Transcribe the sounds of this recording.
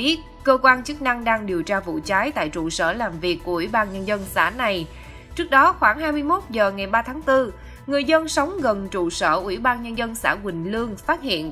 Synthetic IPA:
i˦˥ət̚kəː˧kwaː˧nt͡ɕɨ˦˥k̚na˧ŋɗaː˧ŋɗi˨˩əwt͡ɕaː˧vṵ˧˨t͡ɕaː˨˦jt̪a̰ː˧˨jt͡ɕṵ˧˨sə̰ː˧˩laː˨˩mvi˨˩əkːu˧˩wi˧˩ɓaː˧nɲə˧nzə˧nsa̰ː˧˩na˨˩j | t͡ɕɨ˦˥ək̚ɗɔ˨˦xwaː˧˩ŋɦaː˧jmɨ˧əjmo˦˥t̚zəː˨˩ŋa˨˩jɓaː˧t̪ʰaː˨˦ŋt̪ɨ˧ | ŋɨ˨˩əjzə˧nsə˨˦wŋ͡mɣə˨˩nt͡ɕṵ˧˨sə̰ː˧˩ʔwḭ˧˩ɓaː˧nɲə˧nzə˧nsa̰ː˧˩kwï˨˩ŋ̟lɨ˧əŋfaː˦˥t̚hḭ˧˨ən

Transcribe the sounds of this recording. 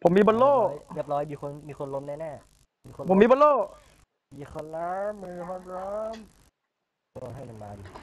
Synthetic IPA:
pʰo˩˦miː˧bɔ˧nloː˥˩˧jbi˧˥˩p̚lɔː˧˥jmiː˧kʰo˧nmiː˧xʰo˧nlo˧˦mnaː˥˩nɛː˥˩ | miː˧kʰo˧pʰo˩˦miː˧˥bɔ˧˥nloː˥˩ | iː˧˩kʰɔ˧nla˧˦mːɯː˧˩ɦɔ˧˥lɔ˦˥m | o˧˩˨ɦa˥˩jka˨˧nbaː˧n˨˩

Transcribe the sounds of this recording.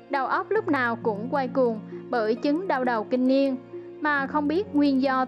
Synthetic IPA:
ɗə˨˩wʔə˦˥wp̚lʊ˦˥k͡p̚naː˨˩wkʊ̰˧˥ŋ͡mkwa˧jkʊ˨˩ŋ͡mɓəː˧˩jt͡ɕɨ˨˦ŋɗa˧wɗə˨˩wkï˧ŋ̟ni˧ən | maː˨˩xə˧wŋ͡mɓi˦˥ət̚ŋwi˧ənzɔ˧

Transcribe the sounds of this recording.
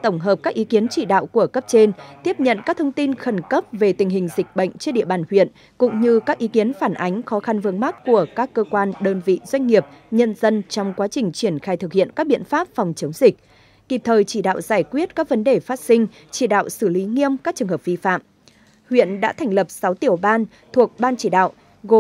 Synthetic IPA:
t̪ə˧˩wŋ͡mɦəː˨˩p̚kaː˦˥k̚ʔi˨˦ki˨˦ənt͡ɕi˧˩ɗa̰ː˧˨wku˧˩əkə˦˥p̚t͡ɕe˧nt̪i˦˥əp̚ɲə̰˧˨nkaː˦˥k̚t̪ʰə˧wŋ͡mt̪i˧nxə˨˧˩nkə˦˥p̚ve˨˩t̪ï˨˩ŋ̟ɦï˨˩ŋ̟zï˨˩k̟̚ɓə̰˧˨jŋ̟t͡ɕɗḭ˧əɓaː˨˩nhwḭ˧˨ən | kʊ̰˧˥ŋ͡mɲɨ˧kaː˦˥k̚ʔi˨˦ki˨˦ənfaː˧˩nʔa˨˦jŋ̟xɔ˨˦xa˧nvɨ˧əŋma˦˥t̚ku˧˩əkaː˦˥kːəː˧kwaː˧nɗəː˧nvḭ˧˨z̥wa˧jŋ̟ŋi˨˩əp̚ɲə˧nzə˧nt͡ɕɔ˧wŋ͡mkwaː˨˦t͡ɕï˨˩ŋ̟t͡ɕi˧˩ənxaː˧jt̪ʰɨ˨˩k̚hḭ˧˨ənkaː˦˥k̚ɓḭ˧˨ənfaː˦˥p̚fɔ˨˩wŋ͡mt͡ɕə˨˦wŋ͡mzï˨˩k̟̚ | k̪i˨˩p̚t̪ʰəː˨˩jt͡ɕi˧˩ɗa̰ː˧˨wzaː˧˩jkwi˦˥ət̚kaː˦˥k̚və˨˦nɗe˨˩faː˦˥t̚sï˧ŋ̟ | t͡ɕi˧˩ɗa̰ː˧˨wsɨ˧˩li˨˦ŋi˧əmkaː˦˥k̚t͡ɕɨ˨˩əhɦə˨˩p̚vi˧fa̰ː˧˨m | hwḭ˧˨ənɗa̰ː˧˥t̪ʰɛ˨˩ŋ̟lə˨˩p̚sa˨˦wt̪i˧˩əwɓaː˧n | t̪ʰu˨˩ək̚ɓaː˧nt͡ɕi˧˩ɗa̰ː˧˨wʔ | ɣo˨

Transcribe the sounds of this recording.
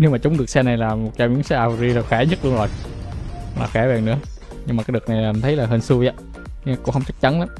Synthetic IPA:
ne˧wmaː˨˩t͡ɕʊ˨˦ŋ͡mɗɨ˨˩ək̚sɛ˧na˨˩jlaː˨˩mo˨˩t̚t͡ɕaː˧˩mi˧˦ŋsɛ˧˩ʔaː˨˩wzi˧la˨˩xaː˧˩ɲə˦˥lu˧ənzo˨˩j | la̰ː˨˩xɛ˧˩˦vɛː˨˩ŋnɨ̰˧˥ə | ɲɨ˧ŋma˨˩kaː˨˦˥jɗɨ˨˩k̚na˨˩jlaː˨˩˨t̪ʰə˨˦jlaː˨˩ɦə˧˩nsu˧zaː˨˦˧ | ko̰˧˥hə˧ŋ͡mt͡ɕə˦˥k̚t͡ɕa˨˦nla˨˦m

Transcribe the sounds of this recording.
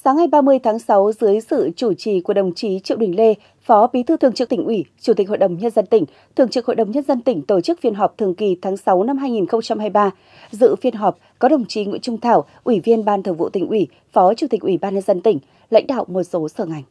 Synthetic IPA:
saː˨˦ŋːa˨˩jɓaː˧mɨ˧əjt̪ʰaː˨˦ŋsa˨˦wzɨ˨˦əjsɨ̰˧˨t͡ɕu˧˩t͡ɕi˨˩ku˧˩ə˩ɗə˨˩wŋ͡mt͡ɕi˨˦t͡ɕḭ˧˨wɗï˨˩ŋ̟le˧ | fɔ˨˦ɓi˨˦t̪ʰɨ˧t̪ɨ˨˩əŋt͡ɕɨ˦˥k̚t̪ï˨˩ŋ̟ʔwi˧˩t͡ɕu˧˩i˨˩k̟̚ho̰˧˨jɗə˨˩wŋ͡mɲə˧nzə˧nt̪ï˧˩ŋ̟ | t̪ʰɨ˨˩əŋt͡ɕɨ˦˥k̚ho̰˧˨jɗə˨˩wŋ͡mɲə˧nzə˧nt̪ï˧˩ŋ̟t̪o˧˩t͡ɕɨ˦˥k̚fi˧ənɦɔ˨˩p̚t̪ʰəŋki˨˩t̪ʰaː˨˦ŋsa˨˦wna˧mɦaː˧jŋi˨˩nxə˧wŋ͡mt͡ɕa˧mhaː˧jɓaː˧ | zɨ̰˧˨fi˧ənɦɔ˨˩p̚kɔ˨˦ɗə˨˩wŋ͡mt͡ɕi˨˦ŋḭ˧˨t͡ɕʊ˧ŋ͡mt̪ʰaː˧˩wʔwi˧˩vi˧ənɓaː˧˩nt̪ʰɨ˨˧˩ŋvṵ˧˨t̪ï˨˩ŋ̟ʔwi˧˩ | fɔ˨˦t͡ɕu˧˩t̪i˨˩k̟ʔi˧˩ɓaː˧nɲə˧nzə˧nt̪ï˧˩ŋ̟ | la̰˧˥ŋ̟ɗa̰ː˧˨wmo˨˩t̚so˨˦səː˧˩ŋa˨˩jŋ̟

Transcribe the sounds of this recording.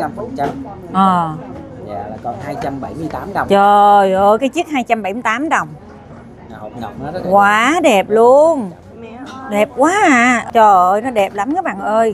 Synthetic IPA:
a˧mfɔ˨˧˩t͡ɕa˧m | ʔəː˨˩ | a̰ː˧˨a˨˩kɔ˨˩nhaː˧jt͡ɕa˧mɓa˧˩jmɨ˧əjt̪aː˨˦mt͡ɕwŋ͡mt͡ɕəː˨˩jʔəː˧jkaː˨˦jt͡ɕi˦˥ət̚haː˧jt͡ɕa˧mɓa˧˩jmɨ˧jt̪aː˨˦mɗə˨˩wŋ͡m | kwaː˨˦ɗɛ˨˩p̚lu˧ən | ɗɛ˨˩p̚kwaː˨˦ʔaː˧˩t͡ɕəː˨˩ʔəː˧jnɔ˨˦ɗɛ˨˩p̚la˨˦mkaː˨˦jɓa̰ː˧˨nʔəː˧j

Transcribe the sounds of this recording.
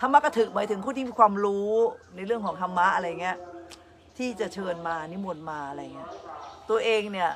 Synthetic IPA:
t̪ʰa˧mːa˦˥kɔ˥˩t̪ʰɯ˨˩k̚maː˨˦j̪ʰɯ˩˦ŋʰpʰuː˥˩i˥˩iː˧kwaː˧mɾuː˦˥na˧jɾɯ˥˩əŋkʰɔː˩˦ŋt̪ʰa˧mːa˦˥ʔa˧ɾa˧ja˨˩ŋːi˦˥ɐʔ | t̪ʰiː˥˩t͡ɕa˨˩t͡ɕʰɤː˧nmaː˧niː˦˥mo˧nmaː˧ʔa˧ɾa˧ja˨˩ŋːi˦˥ɐt̪u˧ɐʔeː˧ŋni˥˩ɐ

